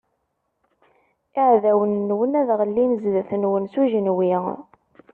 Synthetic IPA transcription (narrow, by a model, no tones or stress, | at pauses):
iʕðæwənːwənæðʁəlːinzðəθənwənsuʒənwi